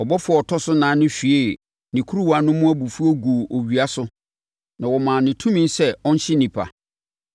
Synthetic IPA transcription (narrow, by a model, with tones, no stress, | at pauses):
ɔ˨bɔ˦fʊ˦ɔ˨ɔ˨tʰɔ˦sʊ˦nãː˨˦nʊ̃˦fi˨e˦˨ | nĩ˨kʰu˦ɾu˦wa˨˦nʊ̃˦mʊ̃˦æ˦bu˨fu˦o˦ɡu˨ʔo˨ɥi˨a˦sʊ˦ | nã˨wɔ˨mãː˨nɪ̃˨tʰũ˦mĩ˦nsɛ˦ɔ̃˦n̩˦ɕɪ˦nĩ˨pʰa̰˨